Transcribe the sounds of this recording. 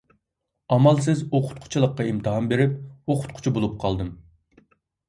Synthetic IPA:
ɑmɑlˠsɪzoqʰʊ̥t̪̚qʰʊ̥t͡ʃʰilˠəqːɑimt̪ʰɨɦɑmbeɾɪp̚oqʰʊ̥t̪̚qʰʊ̥t͡ʃʰibolˠup̚qʰɑlˠd̪ɨm

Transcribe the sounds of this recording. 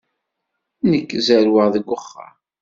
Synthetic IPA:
nəkːzæɾwəʁðəɡʷːʊχːa̰

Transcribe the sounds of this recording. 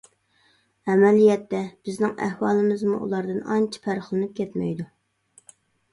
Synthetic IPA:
ɛmɛlijɛt̪ːɛb̥ɪznɪŋæ̰hwɑːlˠɨmɨzmṵʔṵlˠɑɾd̪ɨnɑnt͡ʃʰi̥pʰæɾχlˠɨnɨp̚kʲʰɛt̪mɛ̰jd̪u

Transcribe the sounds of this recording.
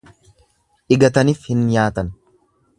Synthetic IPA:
ʔɪɡɐt̪ɐniːfhɪnjaːt̪ɐn

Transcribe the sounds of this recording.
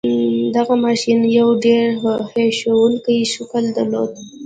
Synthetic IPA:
d̪aɣamɑʃinjawɖeɾheʃowəlkajiʃʊkəld̪əɾlo̰d̪̚

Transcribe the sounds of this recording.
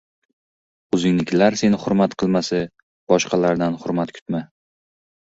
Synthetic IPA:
ɵzɪŋnɪkʲlaɾse̞nɪhʊɾmat̪qʰɨlˠmasɪ | b̥ɒʃqʰɑlaɾd̪anhʊɾmat̪kʰʊ̥t̪ma

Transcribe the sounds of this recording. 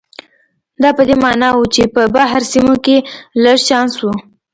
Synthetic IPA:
d̪ɑpəd̪emɑnɑwut͡ʃepəbaɦɾsimokeləɽt͡ʃɑnswu

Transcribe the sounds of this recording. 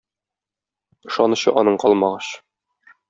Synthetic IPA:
ɤ̆ʃɑnuɕɤ̰ʔɒnɤɴqɒlˠmɑʁɑɕ

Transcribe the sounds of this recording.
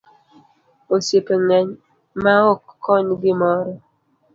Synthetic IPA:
osepeŋɛɲ | maokːɔɲdimɔɾɔ

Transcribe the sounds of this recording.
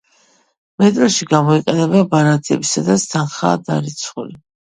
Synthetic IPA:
mɛt̪ʼɾɔʃiɡamɔiqʼɛnɛbabaɾat̪ʰiɛ̰bisad̪at̪st̪ʰanχaːd̪aɾit̪sʰχuli

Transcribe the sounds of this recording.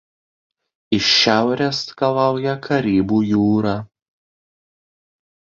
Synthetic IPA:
ɪʃːʲæˑʊɾʲeskɐlˠɑˑʊjɛkʰɐɾʲiːbuːjuːɾɑː

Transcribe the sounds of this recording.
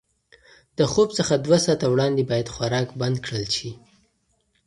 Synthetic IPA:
d̪̥əxob̚t͡səxad̪wasɑt̪awɽɑnd̪ebɑjad̪xwaɾɑkband̪kɽəlʃi

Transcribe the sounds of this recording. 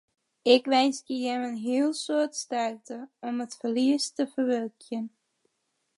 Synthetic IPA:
ɪkʋɛjnskəjɛmənɦiəlˠsoətstɛrtəɔmətfərliəstəfərʋølkʰjən

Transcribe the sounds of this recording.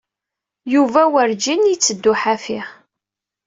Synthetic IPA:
juvæwəɾd͡ʒinit͡sːəd̪ːʊħæfiʁ

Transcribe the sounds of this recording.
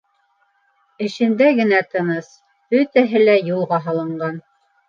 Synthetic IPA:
ɘ̆ʃɘ̆nd̪æɡɘ̆næt̪ɤ̆nɤs | b̥ɵt̪æɦɘlæjulˠʁɑɦɑlˠɤ̆ɴɢɑn

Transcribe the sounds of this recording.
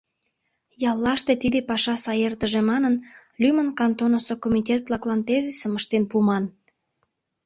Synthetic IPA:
jɑlːɑʃt̪et̪id̪epɑʃɑsɑjert̪əʒemɑnən | lʲymənkɑnt̪onosokomitʲet̪̚plɑklɑnt̪ezisəməʃt̪enpumɑn

